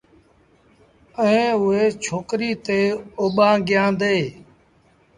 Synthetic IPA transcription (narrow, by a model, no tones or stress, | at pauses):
əẽːʊeːt͡ʃʰoːkɾiːt̪eːoːɓãːɡɪjãːnd̪eː